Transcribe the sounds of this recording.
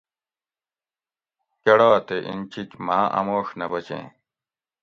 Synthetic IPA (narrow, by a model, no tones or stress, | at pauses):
kɐɽaːt̪eʔḭnt͡ɕikmaːʔɐ̰moːʂnɐbɐt͡ɕḛ̃ː